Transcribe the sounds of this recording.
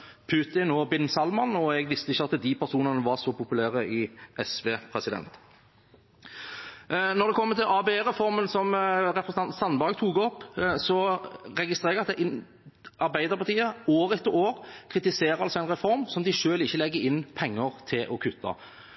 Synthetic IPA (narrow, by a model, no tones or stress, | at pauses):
pʰʉːt̪ɪnɔːbɪnːsɑlmɑnɔɛɡʋɪst̪əɪçːəɑt̪ːd̪ipæɾsuːnənəʋɑsɔpʊpʉlæːɾəɪʔɛsʋeːpʰɾɛsɪd̪ɛ̰nt̪ | nɔɾd̪ɛkʰɔmːət̪ʰɪlʔɑːbeeːɾɛfɔɾmənsɔmɾɛpɾəsn̩ɑnsɑnbɑːɡt̪ʰuːɡɔpːsɔʁɛɡɪst̪ʁeːɡɑt̪d̪ɛʔɪ | ɑɾbæɪd̪əɾpɑʁt̪ʰiːəoːɾɛt̪ːəɾoːʁkʰɾɪt̪ɪseːɾəɾɑlsɔæɪnʁɛfɔɾmsɔmd̪ɪʂøːlɪçːəlɛɡːəɾɪnːpʰɛŋːəʁt̪ʰɪlʔɔkʰʉt̪ʰːɑ̰